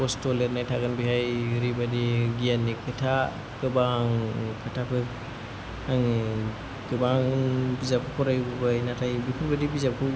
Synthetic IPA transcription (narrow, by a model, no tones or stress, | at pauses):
ɔstɔleɾnajtʰaɡɯnbihajɾibadiɡijanːikʰɯtʰa | kɯbaŋkʰɯtʰapʰɯ | aŋ | kɯbaŋbizap̚kʰɯkʰɔɾajbubajnatʰajbikʰuɾbadibizap̚kʰɯ